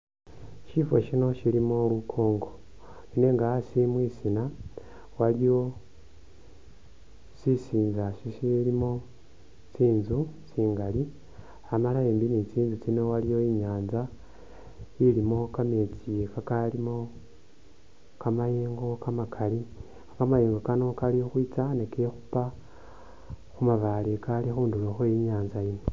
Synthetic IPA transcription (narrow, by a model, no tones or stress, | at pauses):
ciːfo̞̰ʃino̞ʃiɾimoːlwukʰoːŋɡo̞ | ine̞ŋɡaasimwiːsina | walijo̞ | sisiːnzaʃisiɾimo | t͡siːnzut͡siːŋɡali | amalaeːmbinit͡siːnzut͡sinewaɾijo̞iɲaːnza | ilimo̞kamet͡sijekakalimo | kamajeːŋɡo̞kamakʰali | akamajeːŋɡokano̞kalijoxwit͡sanekexupa | xumaβalekalixuːnduloxojiɲaːnzajino